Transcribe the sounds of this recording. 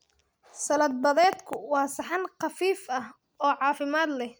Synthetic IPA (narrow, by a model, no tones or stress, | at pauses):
sɐlɐd̪̚bɐðɛːd̪kʰʊwɑːsɑħɑnqɑfiːfɐh | ɔːʕɑːfɪmaːd̪lɛ